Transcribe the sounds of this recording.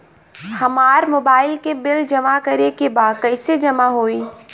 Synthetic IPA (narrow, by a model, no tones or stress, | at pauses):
hɐmaːɾmoːbaːɪlkebɪld͡ʒɐmakɐɾekebaːd̪kɐɪsed͡ʒɐmaɦoːiː